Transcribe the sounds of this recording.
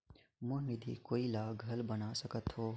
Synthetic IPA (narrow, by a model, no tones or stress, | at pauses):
mʊɦnid̪ʱḭkoːilaːɡʱɐlbɐnaːsɐkət̪ɦoː